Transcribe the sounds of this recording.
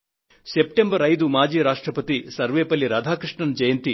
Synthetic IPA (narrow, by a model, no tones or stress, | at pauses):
sep̚ʈembɐɾɐjd̪umaːd͡ʒiːɾaːʂʈɾɐpɐt̪isɐɾʋeːpɐlːiɾaːd̪ʱaːkɾiʂɳɐnɐd͡ʒɐjɐnt̪i